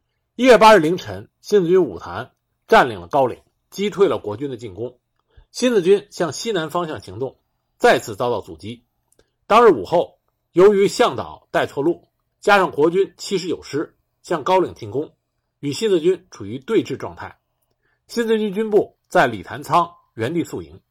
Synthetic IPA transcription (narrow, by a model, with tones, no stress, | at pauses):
i˥ɥɛ˥˩pa˥ɻ̩˥˩li˧˥ŋʈ͡ʂʰə˧˥n | ɕi˥nt͡sɹ̩˥˧˩t͡ɕy˥nu˨˩t̪ʰa̰˧˥n | ʈ͡ʂa˥˩nlḭ˨˩ŋlə˦kɑ˥ʊlḭ˨˩˦ŋ | t͡ɕi˥t̪ʰwe˥˩ɪlə˩kwɔ˧˥t͡ɕy˥nd̪ə˨t͡ɕi˥˩nkʊ˥ŋ | ɕi˥nt͡sɹ̩˥˧t͡ɕy˥nɕjɑ˥˩ŋɕi˥na˧˥nfɑ˥ŋɕjɑ˥˩ŋɕi˧˥ŋt̪ʊ˥˧ŋ | t͡sa˥˧ɪt͡sʰɹ̩˥˩t͡sɑ˥ʊt̪ɑ˥˩ʊt͡sṵ˨˩t͡ɕi˥ | t̪ɑ˥ŋɻ̩˧˥˩u˨˩xo˥˩ʊ | jo˧˥ʊy˧˥ɕjɑ˥˩ŋt̪ɑ̰˨˩˦ʊt̪a˥˧ɪt͡sʰwɔ˥˧lu˥˩ | t͡ɕja˥ʂɑ˥˩ŋkwɔ˧˥t͡ɕy˥nt͡ɕʰi˥ʂ̬ɻ̩˧˥jo˨˩ʊʂɻ̩˥ | ɕjɑ˥˩ŋkɑ˥ʊlḭ˨˩ŋt̪ʰi˧˥˩ŋkʊ˥ŋ | y˨˩ɕi˥nt͡sɹ̩˥˧t͡ɕy˥nʈ͡ʂʰu˨˩y˧˥t̪we˥˧ɪʈ͡ʂɻ̩˥˧ʈ͡ʂwɑ˥˧ŋt̪ʰa˥˩ɪ | ɕi˥nt͡sɹ̩˥˧t͡ɕy˥nt͡ɕy˥npu˥˩ | t͡sa˥˩ɪli˨˩t̪ʰa˧˥nt͡sʰɑ˥ŋ | ɥɛ˧˥nt̪i˥˧su˥˩ḭ˧˥ŋ